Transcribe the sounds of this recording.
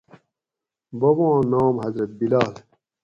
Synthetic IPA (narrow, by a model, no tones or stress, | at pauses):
bɐwãːnaːmɦɐzɾɐt̪̚bilaːl